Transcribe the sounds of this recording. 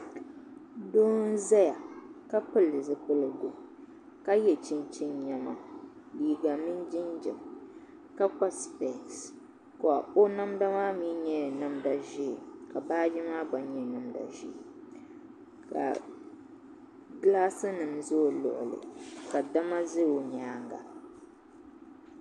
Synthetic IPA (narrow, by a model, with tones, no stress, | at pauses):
do˦n˦za˦ja˨ka˦pɨ˦lɨ˨zɨ˨pɨ˦lɨ˨ɡo˨ | ka˦jɛ˨t͡ʃɪ˦nt͡ʃɪ˦nɲɛ˨ma˨ | liː˨ɡa˨mɨ˦n˦d͡ʒɪ˦nd͡ʒɛ̰˨m | ka˦k͡pa˦spɛ˨ks | kɔ˨a̰˨o˦na˦mda˦maː˦mi˦ɲɛ˦˨na˦mda˨ʒi˦˨ka˨baː˦d͡ʒɪ˦maː˦ɡ͡ba˨nɲɛ˨nɨ˦mda̰˨ʒḭ˦˨ | ka̰˨ | ɡlaː˦sɨ˦nɨ˨mzoː˦˨lʊ̰˨ʔʊ̰˨lɨ̰˨ka˨da˦ma˦zɨ˦o˨ɲaː˦ŋɡa̰˨